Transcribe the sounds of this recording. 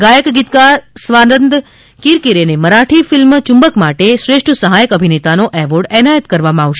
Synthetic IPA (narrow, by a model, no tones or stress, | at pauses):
ɡajəkɡit̪kasʋanənd̪ | kiɾkiɾeneməɾaʈʰifɪlmt͡ʃʊ̃mbəkmaʈeʃɾeʂʈʰəsəɦajəkəbʱinet̪anoʔɛʋəɾɖɛnajət̪kəɾʋamãaʋʃe